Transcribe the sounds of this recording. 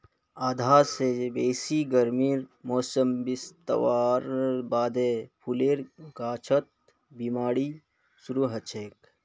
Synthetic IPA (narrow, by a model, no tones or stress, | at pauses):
aːd̪ʱaːɾsebeːsiɡɐɾmiːɾmɔːsəmbist̪ɐ̰ʋaːɾbaːd̪eːpʰuleːɾɡaːt͡ʃʰət̪̚ | bimaːɽi | suɾuɦɐt͡ʃʰeːk